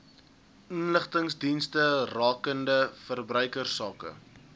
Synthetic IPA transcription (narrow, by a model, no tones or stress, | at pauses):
ʔənləχtəŋsdinstərɑːkəndəfərbrœɥkərsɑːkə̰